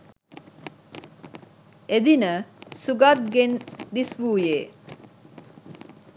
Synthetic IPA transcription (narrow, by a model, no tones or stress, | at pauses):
ed̪inəsuɡat̪̚ɡend̪isʋuːjeː